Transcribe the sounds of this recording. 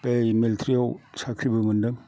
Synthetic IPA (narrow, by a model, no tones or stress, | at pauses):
pejmiltʰɾijawsakʰɾibɯmɯndɯŋ